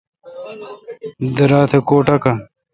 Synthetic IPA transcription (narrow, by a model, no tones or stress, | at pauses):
d̪əɾaːt̪ʰekoːʈɐka